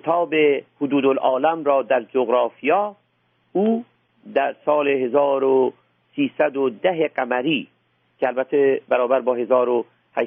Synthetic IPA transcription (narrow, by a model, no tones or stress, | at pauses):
et̪ʰɒːbehʊd̪uːd̪olʔɒːlæmɾɒːd̪æɾd͡ʒoɣɾɑːfijɑː | uː | d̪æɾsɒːleɦezɒːɾo | siːsæd̪od̪æɦeɡæmæɾiː | cʰeælbæt̪ʰːebæɾɒːbæɾbɒːhe̞zɒːɾo | hæ